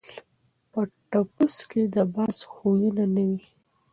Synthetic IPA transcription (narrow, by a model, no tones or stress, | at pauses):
pəʈapusked̪əbɑzxojunanawi